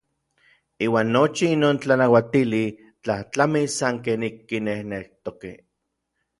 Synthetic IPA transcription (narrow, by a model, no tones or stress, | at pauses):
iːwaːnːot͡ʃiinoːnt͡ɬanawat̪ili | t͡ɬaht͡ɬamisaŋkenikːinehnekt̪okḛ